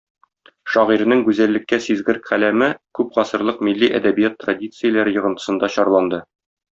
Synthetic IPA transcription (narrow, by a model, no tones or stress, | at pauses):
ʃɒʁiɾɘ̆nɘŋɡʉzælːɘ̆kːæsizɡɘ̆ɾkχælæmɘkʉpqɒsɤ̆ɾlˠɤqmilːiʔæ̰d̪æbijat̪ːradʲit̪sɨjəlˠæɾɘjɤ̆ʁɤ̆nt̪ɤ̥̆sɤ̆nd̪ɑɕɒɾlˠɑnd̪ɤ